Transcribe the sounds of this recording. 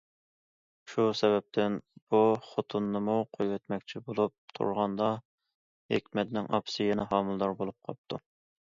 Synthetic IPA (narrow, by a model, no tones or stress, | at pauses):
ʃusɛbɛp̚t̪ʰɪnb̥uχot̪ʰunːɨmuqʰojwɛt̪mɛk̚ʲt͡ʃʰibolˠup̚t̪ʰṵɾʁɑnd̪ɑ | hḛkʲmɛt̪nɪŋɑ̰pʰsɨjɛnɛɦɑːmɨlˠd̪ɑɾbolˠup̚qʰɑ̰p̚t̪ʰu